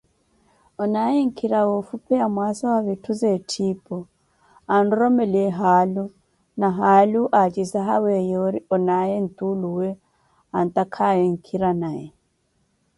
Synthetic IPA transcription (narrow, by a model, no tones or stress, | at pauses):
ɔnajɛŋ̩kʰiɾawɔfupɛamwasɔwaβitʰuzɛtʰipʼɔ | anɾɔmɛliɛɦalu | naɦaluʔat͡ʃʼisaɦawɛjɔɾiɔnajɛn̩t̪ʼuluwɛ | an̩t̪akʰajɛŋ̩kʰiɾanajɛ